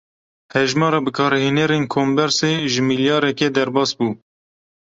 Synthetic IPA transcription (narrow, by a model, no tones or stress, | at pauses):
hɛʒmɑːɾɑbɨkʰɑːɾheːnɛɾenkʰoːmbɛɾseːʒɨmiljɑːɾɛkɛd̪ɛɾbɑːsbuː